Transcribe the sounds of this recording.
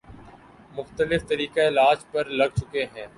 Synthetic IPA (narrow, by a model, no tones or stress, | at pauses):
mʊxt̪əlɪft̪ɐɾiːkaɪlaːd͡ʒpɐɾlɐɡ̚t͡ʃʊkeɦɛ̃ː